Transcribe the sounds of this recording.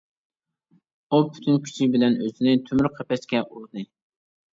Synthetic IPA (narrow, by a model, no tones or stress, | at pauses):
upʰy̥t̪ʰynkʲʰy̥t͡ʃʰibɪlɛnøzɪnɪt̪ʰømyɾqʰɛpɛʃkʲɛʔulˠd̪ɨ